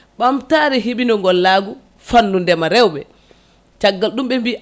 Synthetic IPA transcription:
ɓamtaːɾɛɦiɓinɔŋɡɔlːaːɡu | fanːundɛmaɾɛwɓɛ | t͡ʃaɡːalɗumɓɛmbi

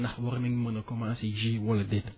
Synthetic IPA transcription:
nahwɔɾniŋmənəkɔmasid͡ʒiwɔladet

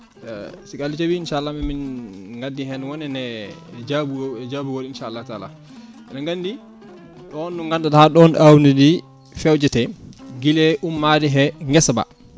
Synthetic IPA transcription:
sikalːit͡ʃabiːnʃaːlːaminminŋɡadːiɦɛnwɔnɛnɛd͡ʒabud͡ʒabuwoɗiinʃaːlːata̰la̰ | ɛnaŋɡandi | ɗɔnːuŋɡandathaɗɔnʔawnidi | fɛwd͡ʒɛtɛɡilɛʔumːadiɦɛŋɡɛsaba̰

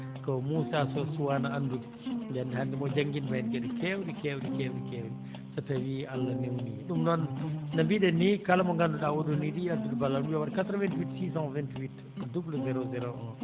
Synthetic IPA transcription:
kɔmusasɔsuwanaandub | dɛndhandimɔd͡ʒaŋɡinbadkɛɗɛkʰɛwɗikɛwɗikɛwɗikɛwɗi | satawialːanewniɗumnɔnːambiɗɛnikalamɔŋɡanduɗawɔɗoniɗiɗatudibalːaduawaɾkatɾɔvɛntiwitsisãvɛntiwit | dubləzɛɾozɛɾoʔã

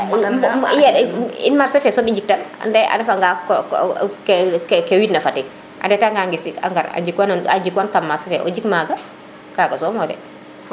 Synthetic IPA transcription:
jaḭnmaɾsɛfɛsɔmiɲd͡ʒik̚tana̰ndɛa̰dɛfaŋɡak | kkkewitnɐfatik̚ | ʔa̰ndɛtaŋɡaŋɡisika̰ŋɡaɾa̰d͡ʒikwanaad͡ʒikwankamːasɛfɛʔɔ̰d͡ʒikmaɡa | kaɡasɔmɔdɛ̰

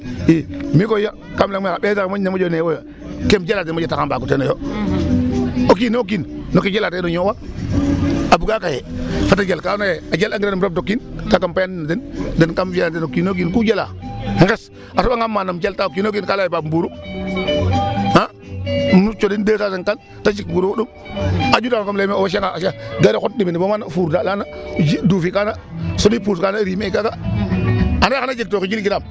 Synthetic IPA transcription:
imikoja | kamlaŋmikabetakamaɲnamad͡ʒonewojo | kemd͡ʒaladenmad͡ʒatakambakutenojo | okinok̬innoked͡ʒalatenoɲowa | abuɡakajefatad͡ʒalkanajead͡ʒalaŋɡiɾanmɾab̚dokːintakampaannːatedenkamfatenokinok̬inkud͡ʒala̰heɡes | asobaŋɡamːanamd͡ʒaltaokːinoɡinkalajbabbuːɾu | a | mnut͡ʃodindesaseŋkan | tat͡ʃikɡuɾukuɗum | ad͡ʒudakomlemeoweʃ̬aŋaʃaɡaɾekot̚diminibomanafuɾdalanad͡ʒiduːfikana | sodipuskanaɾimeikaɡa | anaanad͡ʒik̚tokid͡ʒilɡiɾam

